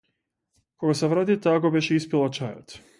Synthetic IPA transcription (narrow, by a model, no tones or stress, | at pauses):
koɡaseʋɾaːt̪it̪aɡobeʃeispʲjelˠat͡ʃaːja̰t̪